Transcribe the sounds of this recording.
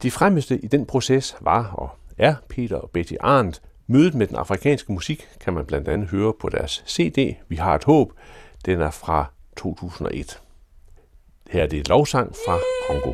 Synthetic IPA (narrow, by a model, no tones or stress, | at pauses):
d̥efʁaməsd̥əʔid̥enpʰʁo̝sesʋɑ̈ɒ̽æɐpʰe̝̰ːd̥ɐɒ̽b̥ed̥ʰiʔɑ̰̈ːndˠ | møːðˠð̩ˠmed̥enɑ̈fʁikʰɛ̰ːnsɡ̥əmusiɡ̥kʰæmænb̥læn̰d̥ænð̩ˠɦøːɐpʰɒ̽d̥æɐsːe̝̰ːd̥e̝̰ːʋiɦɑ̈e̝d̥hɔ̰̽ːb̥d̥enæɐfʁɑ̈t͡sʰo̝̰ːt͡sʰṵːsn̩ɒ̽ʔe̝d̥ | hæɐd̥e̝lɒʊsɑ̈ŋ̰fʁɑ̈kʰɒ̽ŋɡ̥o̝